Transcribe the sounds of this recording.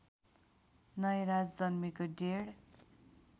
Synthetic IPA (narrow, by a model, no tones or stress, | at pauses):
nʌjɾad͡zd͡zʌnmikoɖeɽ